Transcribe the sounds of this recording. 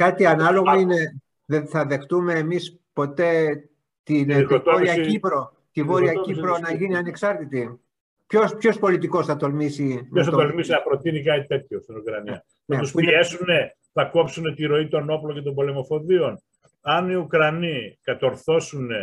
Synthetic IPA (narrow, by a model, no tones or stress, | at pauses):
kɐt̪iɐnɐlo̞ɣoine̞ | ðeθɐðe̞xt̪ume̞ːmis | po̞t̪e̞ | t̪inoɾiɐcipɾo̞ | t̪ivo̞ɾiɐcipɾo̞nɐʝiniɐne̞ksɐɾt̪it̪i | pçospço̞spo̞lit̪iko̞sθɐt̪o̞lmisimos̬ɐtt̪olmisinɐpɾo̞t̪inikɐit̪e̞t̪çjost̪inukɾɐniɐ | nɐet̪usuiine̞sune̞ | θɐko̞psune̞t̪iɾo̞it̪o̞no̞plocet̪o̞mbo̞le̞mo̞fo̞ðio̞n | ɐniukɾɐnikɐt̪o̞ɾθo̞sune